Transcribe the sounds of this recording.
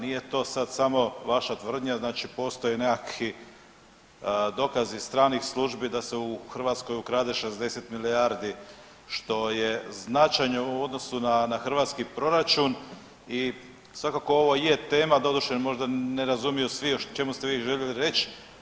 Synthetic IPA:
nije̞t̪o̞ːsad̪samo̞ʋaʃat̪ʋr̩d̪ɲaznaːt͡ʃipo̞ːst̪o̞jenekakʰi | d̪o̞kazist̪ɾaːnixslˠuʒbid̪aseuxr̩ʋat̪sko̞jukɾaːd̪eʃe̞zd̪e̞se̞t̪milijaɾd̪i | ʃt̪o̞je̞znat͡ʃajɲouo̞d̪no̞sunanaxr̩ʋaːt̪skipɾo̞ɾat͡ʃun | i | sʋakako̞o̞ʋo̞jjet̪e̞ːmad̪o̞d̪uʃenmo̞ʒd̪aneɾazumijosʋiot͡ʃe̞must̪eʋiːʒe̞ʎeliɾe̞t͡ʃ

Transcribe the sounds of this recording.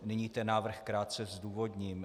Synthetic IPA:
nɪɲiːt̪ɛnːaːvr̩xkɾaːt̪̚t͡sɛzduːvo̞dɲiːm

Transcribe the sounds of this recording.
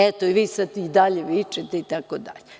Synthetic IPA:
ɛt̪oiʋiːsad̪id̪aʎeʋit͡ʃet̪eit̪akod̪a̰ʎe

